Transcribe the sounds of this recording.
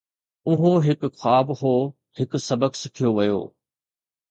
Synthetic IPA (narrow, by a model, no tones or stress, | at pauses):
ʊɦõɦɪkʊxaːbɦoː | hɪkʊ̆sɐbəksɪkʰijoʋɐjo̰ː